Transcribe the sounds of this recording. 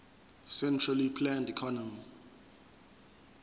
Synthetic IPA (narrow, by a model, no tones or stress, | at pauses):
sɛntʰralipʰlãndikʰɔnɔmi